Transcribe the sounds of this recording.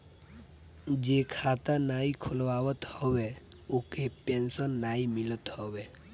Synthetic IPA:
d͡ʒeːkʰaːt̪anaːikʰʊlʋaːʋət̪hɔwe | ukepẽnsənːaːimɪlət̪hɔʋe

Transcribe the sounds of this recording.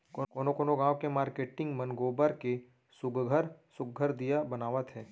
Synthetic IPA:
kokoːnokoːnoɡãːʋkemaːɾkeːʈɪ̃ŋɡmɐnɡoːbəɾke | sʊɡɡʱəɾsʊɡɡʱəɾd̪ijabɐnaːʋət̪ɦɛː

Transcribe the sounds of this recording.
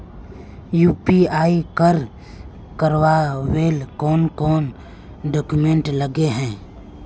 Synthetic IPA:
juːpiaːikəɾ | kəɾwaweːlkɔːnkɔːn | ɖɔːkumẽɳʈləɡeɦɛ̃ː

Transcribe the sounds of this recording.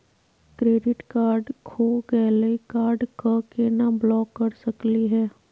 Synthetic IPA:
kɾeːɖɪʈkaːɾɖkʰoːɡɛːlekaːɾɖkakenablɔːkːɐɾsɐkliɦɛː

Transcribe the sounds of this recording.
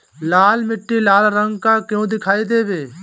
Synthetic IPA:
laːlmɪʈːiːlaːlɾəŋɡkaːkjõːd̪ɪkʰaːiːd̪eːbeː

